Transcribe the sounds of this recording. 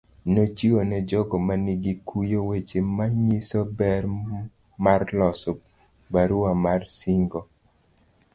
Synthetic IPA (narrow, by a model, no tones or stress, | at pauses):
not͡ʃionɛd͡ʒɔɡɔmaniɡikujowet͡ʃemaɲisobɛr | marlɔsɔ | baɾuamarsiŋɡɔ